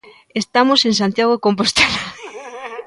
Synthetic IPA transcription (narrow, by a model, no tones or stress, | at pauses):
est̪amoseŋs̬ant̪jaɣokomp̬ost̪ela